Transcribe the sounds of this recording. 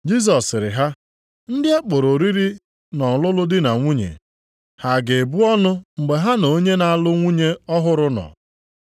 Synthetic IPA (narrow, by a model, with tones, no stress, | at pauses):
d͡ʒi˦s̬ɔ˨sɾɪ̰˨ɦa˦ | n̩˦dɪ˦a˦k͡po˨ɾo˨ɾi˦ɾi˦ | nɔ˨lʊ˦lʊ˦dɪ˦na˨ŋʷu˦ɲḛ˨ | ha˨ɡe˨bu˦ɔ˦nʊ˦ŋ͡m̩˨ɡ͡be˨ɦa˦no˨˦ɲe˦na˨a˦˨lʊ˦ŋʷu˦ɲe˦ɔ˦ɦʊ˦ɾʊ˦nɔ̰˨